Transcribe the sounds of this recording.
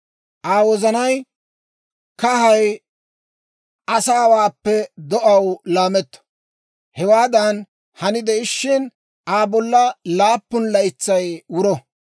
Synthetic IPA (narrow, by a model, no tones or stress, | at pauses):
ʔaːwɔzɐnɐj | kɐɦɐj | ʔɐsaːwaːpːɛd̪ɔʔɐwlaːmɛt̪ːɐ̥ | hɛwaːd̪ɐn | hɐnɪd̪ɛɪʃːɪn | aːbɔlːɐlaːpːʊnlɐɪt͡sːɐjwʊɾɔ